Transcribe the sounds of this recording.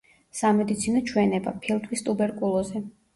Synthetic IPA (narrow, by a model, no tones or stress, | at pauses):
samɛd̪it̪sʰinɔt͡ʃʰwɛnɛba̰pʰilˠt̪ʼʰwist̪ʼubɛɾkʼulˠɔzɛ